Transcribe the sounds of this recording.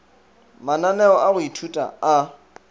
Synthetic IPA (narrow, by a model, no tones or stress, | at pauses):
mananɛɔʔaɣʊitʰutʼa̰a